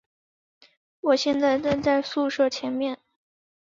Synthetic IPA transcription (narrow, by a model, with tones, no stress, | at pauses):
wɔ˨˩ɕjɛ˥˧nt͡sa˥˧ɪʈ͡ʂə˥˧nt͡sa˥˧ɪsu˥˧ʂɤ˥˩t͡ɕʰjɛ˧˥nmjɛ˥˩n